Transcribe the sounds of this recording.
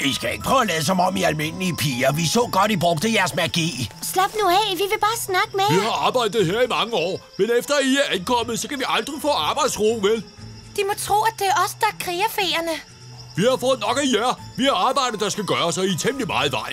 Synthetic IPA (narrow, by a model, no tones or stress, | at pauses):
isɡ̥æe̝ɡ̥əpʰʁœʊælɛːðˠəsɒ̽mɒ̽m̰iælme̝n̰liəpʰiːɐʋisɔ̰̽ːɡ̥ɒ̽d̥ibʁɔɡ̥d̥əjæɐsmæɡ̥ḭːslɑb̥nuæʋiʋe̝b̥ɑ̈ːsnɑ̈ɡ̥əmeʋiɦɑ̈ɑ̈ːb̥ɑ̈ɪd̥ð̩ˠɦeɐ̰imɑ̈ŋəɒ̰ːmenefd̥ɐæiæɐʔænkʰɒ̽m̰əð̩ˠsɒ̽kʰæʋiʔɑ̈ld̥ʁifɔ̰̽ːɑ̈ːb̥ɑ̈ɪd̥sʁuːʋel | d̥imɒ̽t͡sʰʁo̰ːæd̥eɒ̽sd̥ɑkʰʁiːɐfeːɐnə | ʋihɑ̈fɔ̽ːð̩ˠnɒ̽ɡ̥æjæɐ̰ʋihɑ̈ɑ̈ːb̥ɑ̈ɪ̰dð̩ˠd̥ɑ̈sɡ̥æɡ̥ɶːɐsɒ̽it͡sʰemd̥limɑ̈ːð̩ˠʋɑ̈ɪ̰